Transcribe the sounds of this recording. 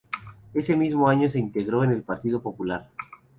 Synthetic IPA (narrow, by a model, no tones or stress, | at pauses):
e̞se̞mizmoaɲo̞s̬e̞int̪e̞ɣ̞ɾo̞ene̞lpaɾt̪ið̞o̞po̞pulaɾ